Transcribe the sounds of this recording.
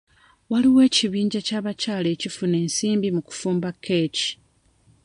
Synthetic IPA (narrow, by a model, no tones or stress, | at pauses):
waliwe̞ːciβiːɲɟacaːβacaːle̞ːcifune̞ːnsiːmbimuku̥fuːmbakʰːe̞ci̥